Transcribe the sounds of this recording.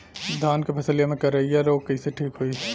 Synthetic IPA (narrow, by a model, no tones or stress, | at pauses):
d̪ʱaːnkepʰɐsəlijamẽkɐɾɐiɛɾoːkɐiseʈʰiːkɦoiː